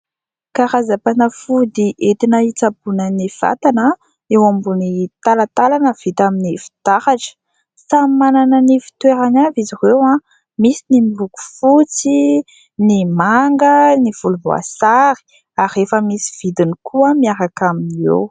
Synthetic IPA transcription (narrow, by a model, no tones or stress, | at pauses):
kaɾazapanəfud̪iʔet̪inəit͡sapunəniv̥a̰t̪anə | ewambunit̪alat̪alanəv̥it̪aminifi̥t̪aχaʈ͡ʂə̥ | sammananənifi̥t̪weɾanavizirewa | misinimibuku̥fut͡si | nimaŋɡəniv̥uluvo̰a̰saɾi̥ | aɾefəmisi̥v̥id̪inikʰuəmiaɾakaminiḛw